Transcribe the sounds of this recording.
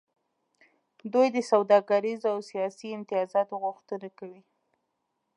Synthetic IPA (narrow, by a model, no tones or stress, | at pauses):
d̪ujd̪əsawd̪ɑɡaɾizawsijɑsiɪnt̪ɪjɑzɑt̪oɣʊxt̪ənakawi